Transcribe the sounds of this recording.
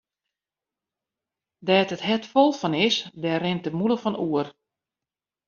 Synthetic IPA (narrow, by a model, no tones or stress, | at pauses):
dɛːtəthɛtfɔlˠfɔnɪsdɛɾɪntəmuləfɔnuər